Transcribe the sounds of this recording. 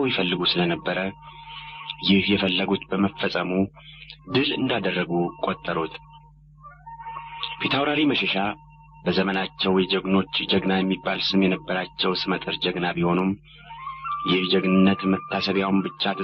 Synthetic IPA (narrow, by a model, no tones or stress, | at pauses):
wjɪfəlːɨɡusɨlənəbːəɾə | jɪhjɛfəlːəɡut̪bəməfːəsʼəmu | d̪ɨlɨnd̪ad̪ərːəɡukʼo̞t̪ʼːəɾot̪ | pʰet̪ʰawɾaɾiməʃɛʃa | bəzəmənat͡ʃːɛwjɛd͡ʒəɡno̞t͡ʃːd͡ʒəɡnajɛmːibːalsɨmjɛnəbːəɾat͡ʃːɛwsɨmət̪ʼɨɾd͡ʒəɡnabiho̞num | jɪhd͡ʒəɡnɨnːət̪mət̪ʰːasəβjawmbɨt͡ʃːat̪ʰɨ